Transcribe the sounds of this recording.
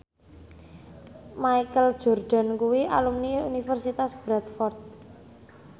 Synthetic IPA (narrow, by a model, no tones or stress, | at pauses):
maikəld̥ʒ̥ɔ̤rɖ̪̥a̤nkuwiʔa̰lumniunifərsit̪asb̥ɾat̪̚fɔrt̪̚